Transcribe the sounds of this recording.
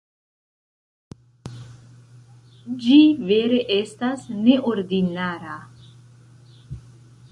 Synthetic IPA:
d͡ʒiveɾe̞ʔestasneʔoɾd̪inaːɾa

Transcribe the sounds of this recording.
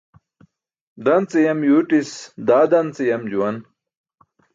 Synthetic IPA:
d̪ɐnt͡sijɐmjuːʈisd̪aːd̪ɐnt͡sijɐmd͡ʑuwɐn

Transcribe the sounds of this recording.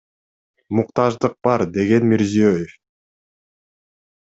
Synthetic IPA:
muqt̪ɑʒd̪ɯq̚b̥ɑɾd̪e̞ɡe̞nmiɾzijøjef

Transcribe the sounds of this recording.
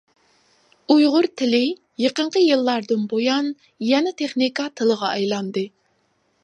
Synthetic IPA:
ujʁʊɾt̪ʰɪlɪ | jeqəɴqʰəjɨlˠːɑɾd̪ɨnbojɑn | jɛnɛt̪ʰeχnikɑt̪ʰɨlˠəʁɑɑjlˠɑnd̪ɨ

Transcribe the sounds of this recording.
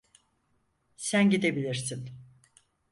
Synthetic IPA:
sænɟid̪e̞bilʲiɾsin

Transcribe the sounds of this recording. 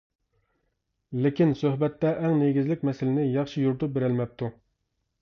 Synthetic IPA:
lɪkʲinsøhbɛt̪ːɛʔɛŋneɡʲizlɪk̚ʲmɛsɪlɪnɪjɑχʃijuɾt̪up̚beɾɪlmɛp̚t̪ʰu

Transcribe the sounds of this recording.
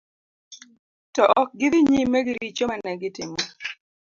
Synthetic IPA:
tɔʔɔk̚ɡɪðɪɲimeɡɪɾit͡ʃomanɛɡɪtɪmo

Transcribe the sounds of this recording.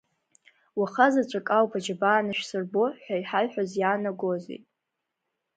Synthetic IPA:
waχazat͡ʃʷʼakʼawpʰad͡ʒabaːnɨʃᶣsɨrboħʷᶣajħaɥħᶣazjaːnaɡo̞zḛjtʼ

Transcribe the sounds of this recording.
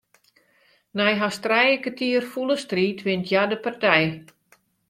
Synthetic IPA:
nɛjɦastrɛjəkətʰiərfuləstriːtʋɪntʰjadəpartɛj

